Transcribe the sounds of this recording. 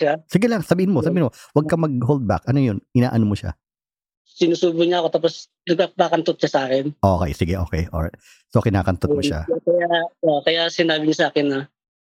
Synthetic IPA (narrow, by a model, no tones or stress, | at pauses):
asɪɡɛlɐŋsɐbiːhɪnmosɐbiːɪnmowɐɡ̚kɐmɐɡ̚ɦold̪̚ba̰kʔɐnojonʔɪna̰ːʔɐnomoʃa̰ | sɪnuːsuːbʊɲaʔɐko̞t̪aːp̬os | nɐɡ̚papakɐnt̪ot̪̚ʃɐsɐʔaːkɛnʔoːkɛ̰jsɪɡɛʔo̞ːkɛjʔo̰ɹa̰jt̪̚ | sʔokɪnaːkɐnt̪omoʃa̰kɐjaokɐjasɪnaːbɪɲasɐʔaːkɛnːɐ